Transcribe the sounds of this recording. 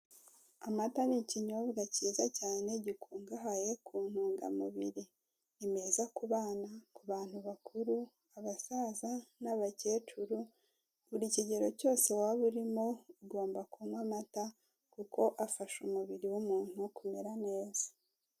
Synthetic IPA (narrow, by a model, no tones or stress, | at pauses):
amataniciɲoβɡaciːzacaːne̞ɟikʰuːŋɡaɦaje̞kʰuːn̥huːŋɡa̰muβiɾi | ime̞zakuβaːnakuβaːn̥huβakʰuɾu | aβasazanaβaceːt͡ʃuɾu | βuɾiciɟe̞ɾo̞co̞ːse̞waβuɾimo̞uɡo̞ːmbakumwamata | kuko̞ʔafaʃumuβiɾiwumuːn̥hukume̞ɾane̞ːz̥ḁ